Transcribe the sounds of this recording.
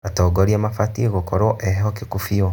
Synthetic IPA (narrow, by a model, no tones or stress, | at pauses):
atɔɡoɾiamafatiɣokoɾoʔɛɦokikufiɔ